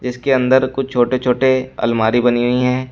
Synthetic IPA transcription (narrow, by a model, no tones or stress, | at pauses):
d͡ʒɪskeɐ̃nd̪əɾkʊt͡ʃʰt͡ʃʰoːʈet͡ʃʰoːʈeɐ̰lmaːɾibɐniɡəiɦɛ̃ː